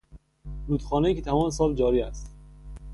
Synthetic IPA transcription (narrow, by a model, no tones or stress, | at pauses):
ɾuːt̪xɒːneiːcʰet̪ʰæmɒːmesɒːld͡ʒɒːɾiːæst̪